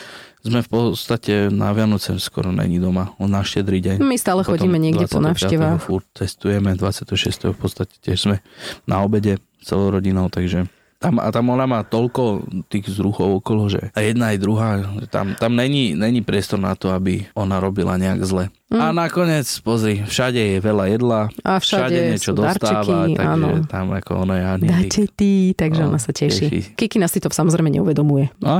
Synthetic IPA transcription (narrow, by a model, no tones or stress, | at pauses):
zmɛfpɔt̪acɛna̰ʋɪanɔt͡sɛskɔ̰ɾɔɲɛ̰ɲid̪ɔmanaʃcɛd̪ɾiɟajmist̪aːlɛxɔɟ̪iːmmɛɲɪɛɡɟɛaɔa̰nɛaːfʃatɛɛaːɦɔxfuɾt̚t͡sɛst̪ujɛmɛd̪ʋat͡sɪat̪ɛɦɔʃɪɛ̰st̪ɛ̰ɦɔfpɔtst̪acɛ̥tɪɛʒz̥mɛnaɔbɛɟɛ | t͡sɛlɔʊɾɔɟinɔʊt̪aɡʒɛ | t̪ama̰t̪amɔnamaːt̪ɔlkɔt̪iːɣzɾuxɔʊɔkɔlɔʒɛ̰ajɛd̪naːjd̪ɾuɦaːʒɛt̪a̰mt̪amɲɛɲiɲɛɲipɾɪɛst̪ɔɾna̰t̪ɔabiɔnaɾɔbila̰ɲɛa̰ɡzlɛ | anakɔɲɪɛt͡spɔzɾifʃaɟɛjɛʋɛlajɛd̪laʔafʃʃaaɟɛɛɲɛt͡ʃɔd̪ɔasɾt̪aːiaʔ̪aaːnʒɔɛ̰t̪amakɔ̰ɔnajɛaɲd̪acɛt̪it̪aɡʒɛɔnasacɛʃiḭkikinaːsit̪ɔsamɔzɾɛɪmɛɲɛ̰uʋɛd̪ɔmujɛa